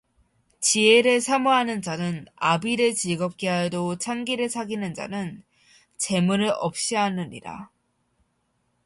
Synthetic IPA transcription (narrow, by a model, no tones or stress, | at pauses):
t͡ɕieɾɯɭsʰamoɦanɯnd͡ʑanɯnabiɾɯt͡ɕiɭɡʌp̚k͈eɦajdot͡ɕʰaŋɡiɾɯɭsʰaɡinɯnd͡ʑa̰nɯn | t͡ɕe̞muɾɯɭʔʌp̚ɕ͈iɦanɯɲḭɾa̰